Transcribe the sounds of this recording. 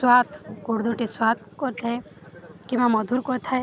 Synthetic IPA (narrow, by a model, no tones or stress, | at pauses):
swat̪ʰɡuɽd̪ʱuʈiswat̪̚kɔɾt̪ʰe | kimãmɔd̪ʱuɾkɔɾt̪ʰaj